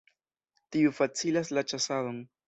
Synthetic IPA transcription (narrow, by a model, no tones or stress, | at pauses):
tiufat͡silaslat͡ʃasadon